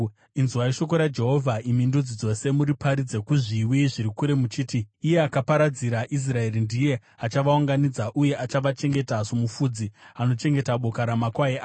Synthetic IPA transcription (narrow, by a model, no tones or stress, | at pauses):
inzuwaiʃo̞ko̞ɾad͡ʒe̞ɦo̞vʱaimindud͡zid͡zo̞se̞muɾipaɾid͡ze̞kuʐiwiʐiɾikuɾe̞mut͡ʃiːtiːje̞akapaɾad͡ziɾaʔis̬rae̞rindije̞ | at͡ʃaʋauŋɡanid͡zaʔuje̞ʔat͡ʃaʋat͡ʃe̞ŋɡe̞tasomufud͡ziano̞t͡ʃe̞ŋɡe̞taɓo̞kaɾamakwaeaː